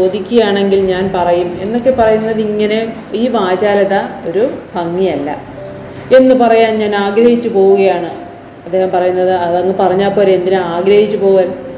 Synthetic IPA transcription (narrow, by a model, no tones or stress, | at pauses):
o̞ːd̪ikʲːuɣɐjaːɳe̞ŋɡilɲaːnpɐrɐjume̞nːo̞kːe̞pɐrɐjunːɐðiŋːɐne̞ | iːʋaːd͡ʑaːlɐðɐo̞ɾupɐŋːijɐlːɐ̰ | e̞nːɨpɐrɐjaːnɲaːnaːɡɾɐhit͡ɕːupo̞ːʋuɣɐjaːɳɨ | ɐd̪ːeːhɐmpɐrɐjunːɐðɨɐðɐŋːɨpɐrɐɲːaːpːoːɾe̞nd̪inɨaːɡɾɐhit͡ɕːupo̞ːɣaːn